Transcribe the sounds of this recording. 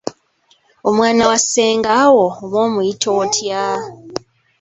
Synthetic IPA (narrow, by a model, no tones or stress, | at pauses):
omwaːnawaseːŋɡawoːmoːmujitʰoːtʰja